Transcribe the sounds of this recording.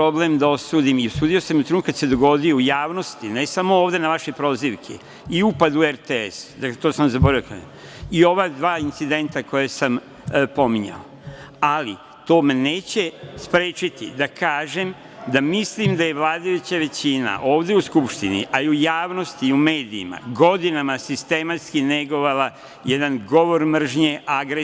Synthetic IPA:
pɾo̞ble̞md̪ao̞suːd̪imiosuːd̪iosamut̪ɾuk̪kad̪sed̪o̞ɡo̞d̪ijoujaːʋno̞st̪ine̞samo̞oːʋd̪e̞naʋaʃe̞jpɾo̞ːziʋkʰḛ | iupad̪ueɾt̪eḛsd̪aklet̪oːsamzabo̞ɾajoka̰ | io̞ʋad̪ʋaːint̪sid̪e̞nt̪ako̞jesam | po̞miɲa̰o | ali | t̪o̞ːmeneːt͡ɕe̞spɾeːt͡ʃit̪ḭd̪akʰaːʒem | d̪amislimd̪aje̞ʋlaːd̪ajut͡ɕaʋe̞t͡ɕina̰ʔo̞ːʋd̪euskupʃt̪inḭʔaiujaːʋno̞st̪iume̞ːd̪iːma̰ɡo̞d̪inamasist̪e̞mat̪skine̞ɡo̞ʋala | jed̪anɡo̞ʋo̞ɾmr̩ʒɲeʔaɡɾe

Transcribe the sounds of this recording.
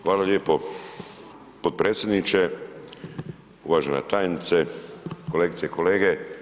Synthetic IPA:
xʋaːlaljeːpo | pot̪̚pɾeːt̪sjed̪nit͡ʃe | uʋaːʒenḛt̪aːjnit̪sekoleːɡit̪seikoleːɡe

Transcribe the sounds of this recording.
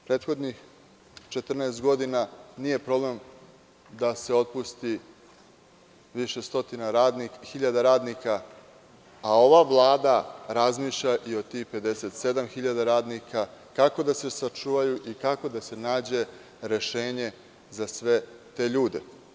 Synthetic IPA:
pɾeːt̪xo̞d̪nix | t͡ʃe̞t̪r̩neest̪ɡo̞d̪inanije̞pɾo̞ble̞m | d̪ase̞o̞t̪̚pust̪i | ʋiʃe̞st̪o̞t̪inaixiʎad̪aɾaːd̪nika | ao̞ʋaʋlˠaːd̪aɾazmiːʃʎaʔio̞d̪t̪ixpe̞d̪e̞se̞t̪se̞d̪amxiʎad̪aɾaːd̪nikakako̞d̪ase̞sat͡ʂuːʋajuʔikako̞d̪ase̞naːd͡ʑe̞ | ɾe̞ʃe̞ːɲe̞ | zasʋe̞t̪e̞ːʎuːd̪e̞̰

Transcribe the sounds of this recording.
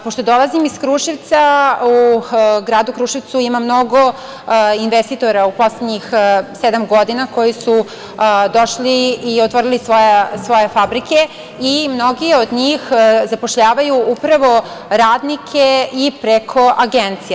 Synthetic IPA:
po̞ʃt̪o̞d̪o̞lazimiskɾuːʃiʋt̪sauɡɾaːd̪ukɾuʃiʋt̪suimamno̞ɡo̞ | inʋest̪it̪o̞ɾaupo̞sledɲixsed̪amɡo̞d̪inako̞jisu | d̪o̞ʃliiot̪ʋoɾilisʋojasʋo̞jefabɾike̞ | imno̞ɡiod̪ɲiːxzapoʃʎaːʋajuupɾaʋo̞ | ɾaːd̪nikʰeipɾekʰo̞ʔaɡent̪sije

